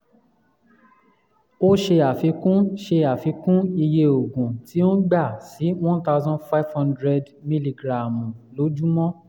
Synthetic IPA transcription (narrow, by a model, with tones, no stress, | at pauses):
o˦ʃe˧a˨fi˧kũ˦ʃe˧a˨fi˨˧kũ˦i˧je˧o˨ɡũ˨ti˨˦o˦ɡ͡ba˦˨si˨˦w̃ɔ̃˦nt̪a˧ʊzɔ̃˦nfa˦jvhɔ̃˧ndɾɛ˧d | mi˦li˧ɡɾa˨mũ˨lo˨˦d͡ʒu˦mɔ̃˦